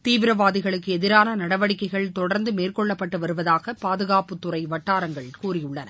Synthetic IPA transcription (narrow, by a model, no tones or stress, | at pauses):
t̪iːʋɪɾɐʋaːðɪɣɐɭɯkːɯɛðɪɾaːnɐnɐɽɐʋɐɽɪkːɐɪɣɐɭt̪ɔɽɐɾnd̪ɯmeːrkɔɭːɐpːɐʈːɯʋɐɾɯʋɐðaːɣɐpaːðɯɣaːpɯt̪ːʊɾɐɪʋɐʈːaːɾɐŋɡɐɭkuːrɪjɯɭːɐnɐ